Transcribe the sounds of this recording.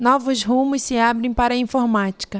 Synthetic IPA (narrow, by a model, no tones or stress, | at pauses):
nɔvʊzɦũmʊssɪabɾẽj̃paɾɐĩfoɾmat͡ʃi̥kɐ